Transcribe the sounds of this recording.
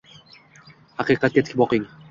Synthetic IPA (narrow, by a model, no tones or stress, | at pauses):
haqiqɑt̪kʲet̪kʰʲibɔqiŋi